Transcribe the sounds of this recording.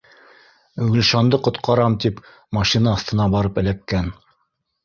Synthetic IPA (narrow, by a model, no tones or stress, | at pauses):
ɡɵ̆lʃɑnd̪ɤqŏt̪qɑɾɑmt̪ip | mɑʃinɑːθt̪ɤ̆nɑbɑɾɤpɘ̆læp̚kæn